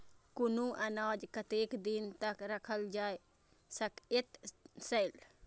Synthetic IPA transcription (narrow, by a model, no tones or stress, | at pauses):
kʊnũʔɐnaːd͡ʒkɐt̪eːkd̪int̪ɐkɾɐkʰəld͡ʒaːe | sɐket̪sɐjl